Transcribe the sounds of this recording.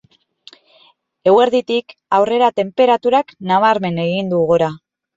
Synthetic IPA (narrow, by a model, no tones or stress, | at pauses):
e̞ɣwe̞ɾðit̪ikawre̞ɾat̪e̞mpe̞ɾat̪uɾaknaβ̞aɾme̞ne̞ɣind̪uɣuɾa